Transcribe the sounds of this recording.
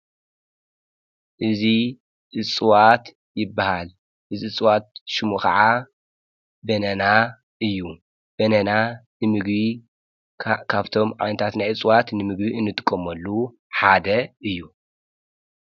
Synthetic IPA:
ʔɨzi | ʔɨt͡sʼɨwat̪ | jɪbːahal | ʔɨziɨt͡sʼɨwat̪̚ʃɨmukʰɐ̰ʕa | bɐnɐna | ʔɨjːu | b̥ɐnɐnanɨmɨɡβi | kʰaβt̪ʰo̞mʕa̰jnɐt̪ʰat̪najɨt͡sʼwat̪nɨmɨɡbiɨnːɨt̪ʼɨ̥kʼːɐmɐlːu | ħad̪ɐʔɨjːu

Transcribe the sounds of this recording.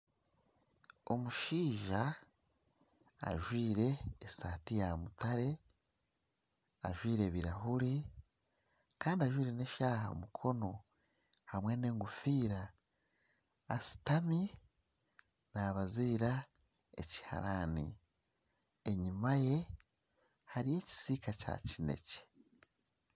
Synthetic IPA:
o̞muʃiːʒa | ʒwiːɾe̞ːsaːtijamutaɾe̞ | aʒwiːɾe̞ːβiɾaɦuɾi | kaːndiaʒwiːɾe̞neʃaːɦa̰o̰mukʰo̞no̞ | hamwe̞ne̞ːŋɡufiːɾa | si̥tami | naβaziːɾa | e̞̰ci̥ha̰ɾa̰nḭ | eɲimaje̞ | haɾije̞ːci̥sikaca̰cine̞̰ce̥

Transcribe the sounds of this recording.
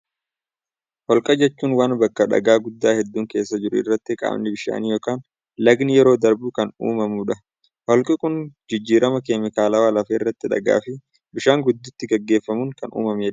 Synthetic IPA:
hɔlkʼɐd͡ʒɛt͡ʃːuːnwaːnbɐkːɐᶑɐ̰ɡaːɡʊd̪ːaːhɛd̪ːuːŋke̞ːsːɐd͡ʒɪɾʊɪ̰rːɐt̪ːɪkʼa̰ːmnɪbɪʃa̰ːnijo̞ːkaːn | lɐɡnɪjɛɾo̞ːd̪ɐɾbʊkɐnṵːmɐmʊᶑɐ | hɔlkʼɪkʼʊnd͡ʒɪd͡ʒːiːɾɐmɐkeːmɪkaːlɐwaːlɐfeːɪrːɐt̪ːɪᶑɐ̰ɡa̰ːfɪ | bɪʃaːŋɡʊd̪ːʊt̪ːɪɡɐɡːe̞ːfːɐmʊŋkɐnṵːmɐmeːᶑɐ

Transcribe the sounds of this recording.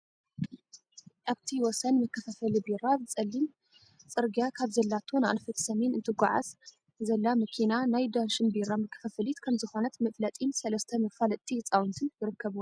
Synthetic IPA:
ʔaβt̪ʰiwɔsɐnmɐkʰːɐfɐfɐlibiɾabɨt͡sʼɐlːin | t͡sʼɨɾɡijakʰaβzɐlːat̪ʰona̰nfɐt̪ʰsɐmenɨnt̪ʰɨɡʷa̰ʕa̰z | zɐlːamɐkʰinanajd̪anʃɨnbiɾamɨkʰːɐ̥fɐfɐlit̪kʰɐmzɨxonɐt̪mɐflɐt̪ʼinsɐlɐst̪ʰɐmɐfalɐt̪ʰʼːit͡sʼawnt̪ʰɨnjɪɾɨkːɐβwo

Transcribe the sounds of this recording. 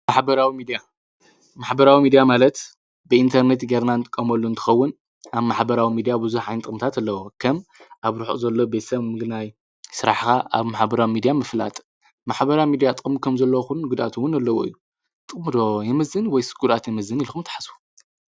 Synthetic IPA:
maħbɐɾawimid̪ija | maħbɐɾawimid̪ijamalɐt̪ | bɨint̪ʰɐɾnet̪ɡeɾnant̪ʼɨ̥kʼːɐmɐlːuɨnt̪ʰɨ̥xɐwːʊn | aβmaħbɐɾawimid̪ijabɨzuħajnɨt̪ʼɨkʼmt̪ʰat̪alːɐwokʰɐmʔaβɾuħzɐlːo̞bet̪sɐmɨɡnaj | sɨɾaħxaʔa̰βmaħbɐɾawimid̪ijamɨfla̰t̪ʼ | maħbɐɾawimid̪ijat̪ʼɨkʼmkʰɐmzɐlːɐwxunnɡɨd̪a̰t̪ʰuwʊnalːɐwoʔɨ̰jːu | t̪ʼɨχʼmɨd̪ojɛmɐzːɨnwɔjsɨ̥ɡuɾat̪jɛmɐzːɨnilxɨmt̪ʰɨ̥ħasu̥

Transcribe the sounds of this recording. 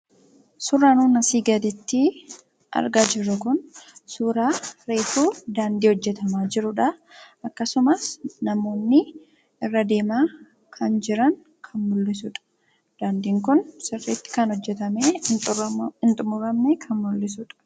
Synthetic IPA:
sʊrːaːnuːnɐsiːɡɐd̪ɪt̪ːɪ | ʔɐ̰ɾɡaːd͡ʒɪɾʊkʊnsuːɾaːɾe̞ːfuːd̪aːnd̪iːhɔd͡ʒːɛt̪ɐmaːd͡ʒɪɾʊᶑɐʔɐkːɐsʊmɐsnɐmo̞ːnːɪ | ɪrːɐd̪e̞ːmaː | kʰɐnd͡ʒɪɾɐŋ | kʰɐnmʊlːɪs̬ʊᶑɐ̥ | d̪̥aːnd̪iːŋk̬ʊnsɪrːiːt̪ːɪ̥kɐnhɔd͡ʒːɛt̪ɐme | ɪnt̪ʼʊmʊɾɐmnɛkʰɐnmʊlːɪsʊᶑɐ̥

